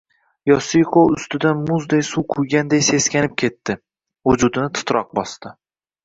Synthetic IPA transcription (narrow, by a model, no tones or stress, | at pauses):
jɒsijqʰoʊst̪ɪd̪anmʊzd̪ejsuqʰʊjɡʲand̪ejse̞skʲanɪp̚kʲʰe̞t̪ʰːɪ | ʊd͡ʒʊd̪ɪnɪt̪ʰʊ̥t̪ɾɒq̚bɒst̪ɪ